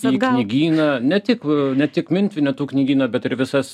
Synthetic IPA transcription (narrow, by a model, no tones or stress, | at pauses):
iːɡknʲiɡʲiːnɐnʲɛt̪ʲɪknʲɛt̪ʲɪkmʲɪnʲt̪ʲʋʲɪnʲɛt̪uːknʲiɡʲiːnɐbʲɛt̪ɪɾʋʲɪsɐs